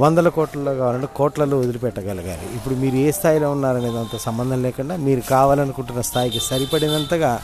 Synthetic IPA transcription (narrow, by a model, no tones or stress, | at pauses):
ʋɐnd̪ɐlɐkoːʈlɐlo̞ːkaːʋaːlɐɳʈekɔːʈlɐloːod̪ulupɛʈːɐɡɐlɐɡa̰ːɾḭipːuɽumiːɾueːst̪ʰaːjilo̞ːunːaːɾɐneːd̪ɐnt̪ɐːsɐmbɐnd̪ʱɐnlɛːkuɳɖaːmiːɾukaːʋaːlɐnukuɳʈunːɐst̪ʰaːjikisɐɾipɐɽinɐnt̪ɐɡaː